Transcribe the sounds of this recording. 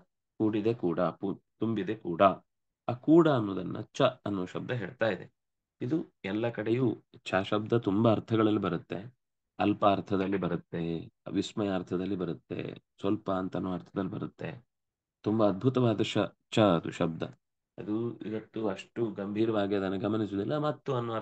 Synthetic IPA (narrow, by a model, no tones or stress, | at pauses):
kuːɽid̪e̞kuːɽɐput̪umbid̪e̞kuːɽɐ | aːkuːɽɐːnːoːd̪ɐnːɐ̰t͡ʃːɐɐnːuʋɐʃɐb̚d̪ʱɐɦeːɭt̪aːjid̪e̞̰ | id̪uɛlːɐkɐɽejuːt͡ʃʰaːʃɐb̚d̪ɐt̪umbɐːɾt̪ʰɐɡɐɭɐlːibɐɾut̪ːe | ɐlpɐːɾt̪ʰɐd̪ɐlːibɐɾut̪ːe̞ʋismɐjaːɾt̪ʰɐd̪ɐlːibɐɾut̪ːe̞̰sʋɐlpɐːnt̪ɐnːuːɐɾt̪ʰɐd̪ɐlːibɐɾut̪ːe̞̰ | t̪umbɐːd̪̚bʱut̪ɐʋaːd̪ɐʃɐ | t͡ʃʰːɐɐd̪ṵʃɐb̚d̪ʱɐ̰ | ɐ̰d̪uḭʋɐt̪ːuɐʂʈuɡɐmbʱiːɾɐʋaːɡiɐd̪ɐnːɐɡɐmɐnis̬uːd̪ilːɐmɐt̪ːuɐnːuʋɐ